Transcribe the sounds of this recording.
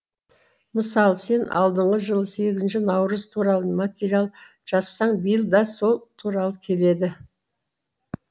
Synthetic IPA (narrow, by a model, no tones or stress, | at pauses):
məsɑlˠse̞nʔɑ̰lˠd̪əɴʁəʒəlˠəse̞ɡʲɪzɪnʃɪnɑwɾəzt̪ʰuɾɑlˠəmat̪ʲeɾialˠ | ʒ̥ɑsːɑɴbəjəlˠd̪ɑso̞lˠt̪ʰuɾɑlˠəkʲʰe̞le̞d̪ɪ